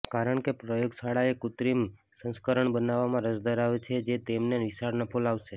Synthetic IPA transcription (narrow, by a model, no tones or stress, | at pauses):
kaɾəɳkepɾəjoɡsaɽaekut̪ɾim | sə̃nskəɾəɳbənaʋamãɾəd͡ʒd̪əɾaʋet͡ʃʰed͡ʒet̪emnenʋisaɾnəpʰolaʋʃe